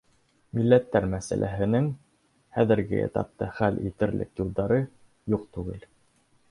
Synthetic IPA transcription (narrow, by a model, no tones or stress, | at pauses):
milːæt̪ːæɾmæsæ̰lʔæ̰ɦɘ̆nɘŋ | χæðɘ̆ɾɡɘ̰ḛt̪ɑ̰p̚t̪ːɑχælḭt̪ɘ̆ɾlɘ̰kjulˠd̪ɑɾɤ | juq̚t̪ʉɡɘl